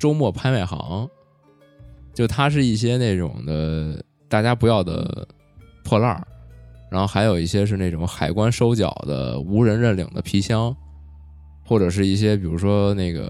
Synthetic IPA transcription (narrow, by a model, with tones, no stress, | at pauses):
ʈ͡ʂo˥ʊmwɔ˥˩pʰa˥ɪme˥˩ɪxɑ̰˧˥ŋ | t͡ɕjo˥˩t̪ʰa˥ʂ̬ɻ̩˥˧i˥˩ɕ̬jɛ˥ne˥˩ɪʈ͡ʂʊ̰˨˩ŋd̪ə˦ | t̪a˥˩t͡ɕja˥pu˧˥jɑ˥˩ʊd̪ə̰˩ | pʰwɔ˥˧la̰˥˩ɻa˧˥nxo˥˧ʊxa˧˥ɪjo˨˩ʊi˥˩ɕjɛ˥ʂ̬ɻ̩˥˧ne˥˩ʈ͡ʂʊ˧˥ŋxa˨˩ɪkwa˥nʂo˥ʊt͡ɕjɑ̰˨˩ʊd̪ə̰˦u˧˥ɻə˧˥nɻə˥˩nlḭ˨˩ŋd̪ə̰˦pʰi˧˥ɕjɑ˥ŋ | xwɔ˥˩ʈ͡ʂɤ˨˩ʂ̬ɻ̩˥˧i˥˩ɕ̬jɛ˥pi˨˩ɻu˧˥ʂwɔ˥ne˥˩ɪɡə̰˩